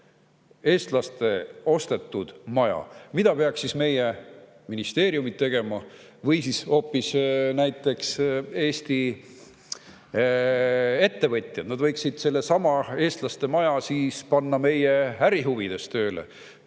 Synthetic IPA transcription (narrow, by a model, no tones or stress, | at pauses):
e̞ːst̪lɑst̪e̞o̞st̪e̞t̪ːˑud̪̥mɑjɑ̰mid̪̥ɑpe̞ɑksːisme̞je | minist̪e̞ːɾiumit̪ːe̞ɡ̥e̞mɑ | vɤjsisho̞ːpːˑisnæjt̪ːˑe̞kse̞ːst̪i | e̞t̪ːe̞vɤt̪ʲˑjɑd̪̥nɑd̪vɤjksid̪̥se̞lːe̞sɑmɑe̞ːst̪lɑst̪e̞mɑjɑsiːspɑnːɑme̞jeæɾiɦuvid̪̥e̞st̪ø̞ːlḛ